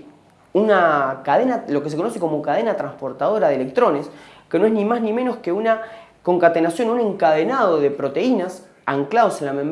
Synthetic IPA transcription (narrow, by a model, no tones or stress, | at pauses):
unakaðe̞nalo̞kese̞konos̬eko̞mo̞kaðe̞nat̪ɾanspo̞ɾt̪að̞o̞ɾaðele̞k̚t̪ɾo̞neskenoeznimaznĩmeno̞skeuna | ko̞ŋkat̪enasjo̞nunẽ̞ŋkað̞enað̞o̞ðepɾo̞t̪e̞inas | aŋklaðo̞senlamem